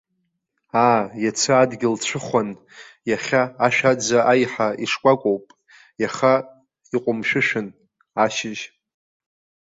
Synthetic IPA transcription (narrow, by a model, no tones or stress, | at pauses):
aːjat͡sʰɨadɡʲɪlt͡ɕʷʰɨχʷan | jaχʲaːʃᶣad͡zaʔajħaiʂkʷʼakʷʼowpʼ | jaχa | iqʷʼʊmʃᶣɨʃᶣɪn | aʃɪʒ